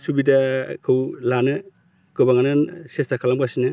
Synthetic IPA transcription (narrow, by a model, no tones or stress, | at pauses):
subidakʰɯwlanɯ | ɡ̥ɯbaŋanɯnsestakʰalamkasinɯ